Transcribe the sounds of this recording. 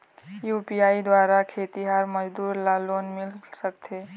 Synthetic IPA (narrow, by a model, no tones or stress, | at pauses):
jupijaid̪waɾakʰet̪iɦaɾməd͡ʒd̪uɾlalonmilsəkt̪ʰe